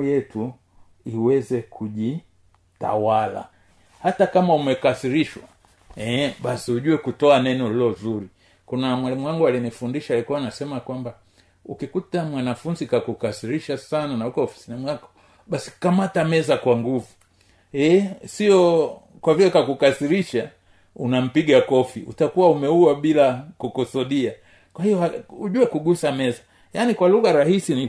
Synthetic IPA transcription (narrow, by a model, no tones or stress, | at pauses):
jɛtu | iwɛzɛkʰuʄi | ta̰wala̰ | hatakamaumɛkasiɾiʃwa̰ | ɛɓasiuʄuwɛkutɔanɛnɔlilɔzuɾi | kunamwalimuwaŋɡualinifundiʃalikuwanasɛmakwamba | ukikutamwanafunzikakukasiɾiʃasananaukɔɔfi̥sɛnɛmuakɔ̥ | ɓasi̥kamatamɛzakwaŋɡuvu | ɛsiɔ | kwavilɛkakukasiɾiʃa | unam̩piɡakɔfiʔṵtakuwaumɛuaɓilakukusɔɗia | kwahijɔauʄuɛkuɡusamɛza | janikwaluɣaɾahisini